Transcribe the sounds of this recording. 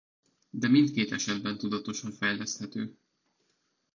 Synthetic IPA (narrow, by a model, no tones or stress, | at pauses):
d̪ɛmint̪keːt̪ɛʃɛd̪bɛnt̪ud̪ɒt̪o̞ʃɒɱfɛjlɛst̪hɛt̪øː